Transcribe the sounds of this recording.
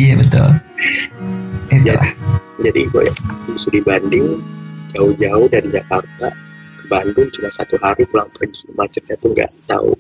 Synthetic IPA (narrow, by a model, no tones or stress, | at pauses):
ijabət̪ʊ̰l | it̪ulahd͡ʒadḭbo̰ja̰bisudibandɪŋd͡ʒaʊhd͡ʒaʊhdaɾid͡ʒakart̪abandʊŋt͡ʃumasat̪uɦaɾikulaŋpʊɲsmat͡ʃərd͡ʒat̪uŋɡa̰ʔt̪a̰ṵ